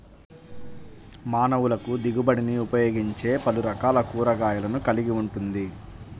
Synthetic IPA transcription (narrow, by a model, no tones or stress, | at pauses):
maːnɐʋulɐkud̪iɡubɐɽiniupɐjoːɡiɲt͡ʃe̞ːpɐluɾɐkaːlɐkuːɾɐɡaːjɐlɐnukɐliɡiuɳʈund̪i